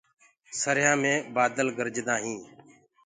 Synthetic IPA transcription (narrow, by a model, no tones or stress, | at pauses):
səɾjãːmẽːbaːd̪əlɡəɾd͡ʒd̪ãːɦĩː